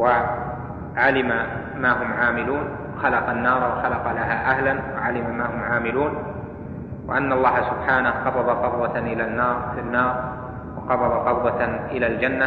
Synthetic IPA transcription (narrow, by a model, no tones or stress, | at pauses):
wa | ʕalɪma | maːɦʊmʕaːmɪluːn | wɑxalɑqɑnːɑːɾˤwaxalɑqɑlaɦaːʔahlanwaʕalɪmamaːɦʊmʕaːmɪluːn | wa̰ʔanːaʔlˤːɑːhasʊbħaːnahqɑbɑbɑqɑbwɑʔɪlanːɑːɾˤfinːɑːɾˤ | wɑqɑbɑbɑqɑbwɑʔɪlaːld͡ʒanːa